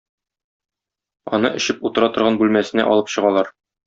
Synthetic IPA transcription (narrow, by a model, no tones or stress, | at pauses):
ɒ̰nɤʔɘ̆ɕɘput̪ɤ̆ɾɑt̪ŏɾʁɑnbʉlmæsɘ̆næ̰ʔɒ̰lˠɤpɕɤ̆ʁɑlˠɑɾ